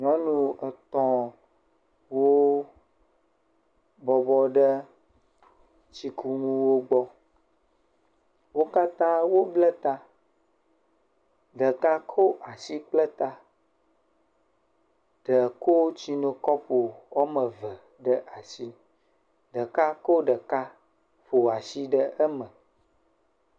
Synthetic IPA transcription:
ɲɔ̃˦nũ˦ə˨t̪ɔ̃˦ | wo˦ | bɔ˨bɔ˦ɖə˦ | t͡ɕi˦kʰu˦ŋũ˦wo˦ɡ͡bɔ˦ | wo˦ka˦t̪ã˦wo˦blə˦t̪a˦ | ɖə˨ka˦kʰo˦ʔa˨si˦k͡plə˦t̪a˦ | ɖ̥ə˨ko˦t͡ɕi˦nõ˨kɔ˦ɸo˨ɔ˦mə˨və˨ | ɖə˦ʔa˨si˦ | ɖə˨ka˦ko˦ɖə˨ka˦ | ɸo˨a˨si˦ɖə˦ʔə˦mə̃˨

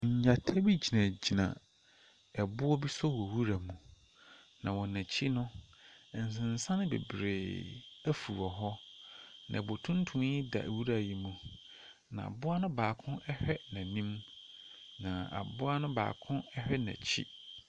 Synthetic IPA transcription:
ɲ̩˨ɲa˨tʰa˦bi˦d͡ʑi˨nã˨d͡ʑi˨nã̰˨ | ɛ˨bʊ˦ɔ˦bi˦sɔ˦wɔ˨wu˦ɾa˨mũ˨ | nã˨wɔ˨næ̃˨t͡ɕʰi˦nʊ̃˦ɛ˨n̩˨s̬ɪ̃˨n̩˨sã˦nɪ̃˦bḛ˨bɾeː˨æ˦fu˨wɔ˨ɦɔ˦ | nã̰˨bo˨tʰũ˦n˦tʰũ˦m˦ɪ˦da̰˨wu˦ɾa˨ji˦mũ˨ | nã̰˨a̰˨bʊ˦a˦nʊ̃˦baː˨kʰʊ̃˦ʔɛ˦hᶣɛ˦nã˨nĩ˦m | nã˨a̰˨bʊ˦a˦nʊ̃˦ba̰ː˨kʰʊ̃˦ɛ˦hᶣɛ˦næ̰̃˨t͡ɕʰḭ˦

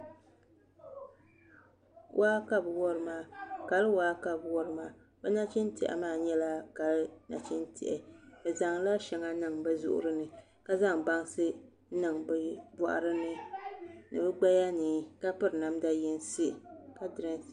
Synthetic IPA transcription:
wʔaː˦ka˦bɨ˨wɔ˦ɾɨ˦maː˨ka˨lwaː˦ka˨bwɔ˦ɾɨ˦maː˨ | bɛ˦na˦t͡ʃɪ˦ntɪ̰˨ʔɛ̰˨maː˦˨ɲɛ˦la˦ka˨lna̰˨t͡ʃɪ˦ntɪ̰˨ʔɛ˨bɛ˨za˨ŋla˦ʃɛ˨ŋa˦nɨ˨ŋbɛ˦zʊ̰˦ʔʊ̰˦ɾɨ˦nɨ˨ | ka˦za˦ŋba˦ŋ˦sɨ˦ | nɨ˨ŋbɛ˨bɔ̰˨ʔa̰˨ɾɨ˦nɨ˦ | nɨ˨bɨ˦ɡ͡ba˦ja˦niː˨˦ka˦pɨ˦ɾɨ˨na˨mda˦jɪ˦n˦sɪ˦˨ka˦dɾɨ˦n˨

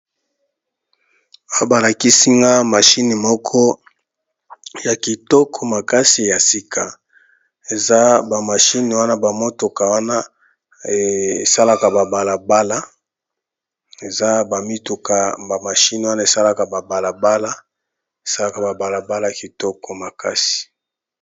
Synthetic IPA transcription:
ba˦ba˨la˨ki˦si˦ŋɡa˦ma˨ʃi˦ni˨mɔ˦kʰɔ˦ | ja˨ki˨tɔ˦kʰɔ˨ma˨ka˦si˨ja˨si˦kʰa˨ | e˨za˦ba˨ma˨ʃi˦ni˨wa˦na˦ba˨mo˦to˨ka˨wa˦na˦ | e˨sa˦la˦ka˨ba˨ba˨la˨ba˦la˦ | e˨za˦ba˨mi˦tu˨ka˨ba˨ma˨ʃi˦ni˨wa˦na˦e˨sa˦la˦ka˨ba˨ba˨la˨ba˦la˦ | e˨sa˦la˦˨ka˨ba˨ba˨la˨ba˦la˦˨ki˨tɔ˦kɔ˨ma˨ka˦si̥˨

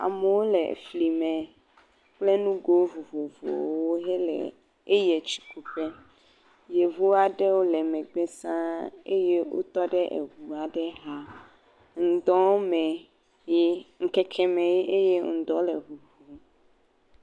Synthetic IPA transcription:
a̰˨mɛ˨wo˦lɛ̰˨fli˨mɛ̃˨ | k͡plɛ˦nũ˦ɡo˦vu˨vo˨vo̰˨wo˦ɦɛ˦lɛ̰˨ | e˦jɛ˨t͡ʃi̥˨ku˨ɸɛ˦ | je˨vu˦a˨ɖɛ˦wo˦lɛ˨mɛ̃˨ɡ͡bɛ˦sã˦ḛ˦je˦wo̰˦t̪ɔ˦ɖɛ˦ʔḛ˨ɦu˨a˨ɖɛ˦ɦa˦ | ŋ̩˨d̪ɔ˦mɛ̃˨ | ji˦ŋ̩˦kɛ˦kʰɛ˦mɛ̃˨ji˦ʔe˦je˦ŋ̩˨d̪ɔ˦lɛ˨vu˨vo˨

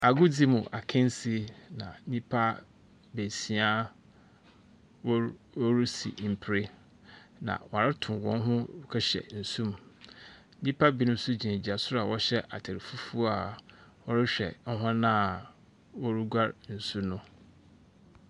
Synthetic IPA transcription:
a˨ɡu˦d͡zi˦mʊ̃˨ʔa˨kʰɪ̃˦n˦si˦nã̰˨˦nĩ˦pʰa˦ | be˨si˨a˦ | wɔ˦ɾu˦sḭ˨m̩˨pʰɾe˦ | nã̰˨wɾɪ˦tʰʊ̃˨wɔ̰̃˦ɦʊ̃˦kʰɛ˦ɕɛ̰˨n̩˨sũ˦m˦ | nĩ˦pʰa˦bi˦nʊ̃˦sʊ˦d͡ʑĩ˨ne˨d͡ʑi˨a˨sʊ˦a˨wɔ˦ɕɛ˦ʔa̰˨tʰe˨ɾɪ˨fu˦fu˦a˨wɔ˦ɾɪ˦ɕᶣɛ̰˨ŋ̩˦ɦã˦nã˦˨ | wɔ˦ɾu˦ɡʷa˦ɾn̩˨su˦nʊ̃˦

